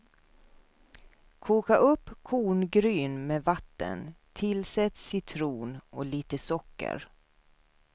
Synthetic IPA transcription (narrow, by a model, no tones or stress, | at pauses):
kʰuːkaʔɵpːkʰuːɳɡɾyːnmeːvat̪ːə̰nt̪ʰɪlsɛt̪ssɪt̪ʰɾuːnɔliːt̪əsɔkːə̰ɾ